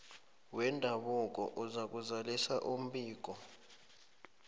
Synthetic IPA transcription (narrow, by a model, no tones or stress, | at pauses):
wɛndʱaɓuk̬ʼɔ̰ʔuzak̬uzalisaʔum̩ɓiːk̬ɔ